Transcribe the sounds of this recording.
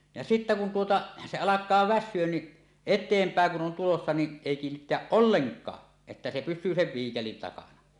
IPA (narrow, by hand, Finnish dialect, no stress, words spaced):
jɑ sitːæ kun tuotɑ se ɑlɑkˑɑː ʋæsˑyøn ni etˑeːmpæˑeŋ kun on tulosːɑ ni eˑi kiːnːitːeæʔ ʔolːeŋkˑɑː etːæ se pysˑyː seʋ ʋiːkelin tɑkɑnɑ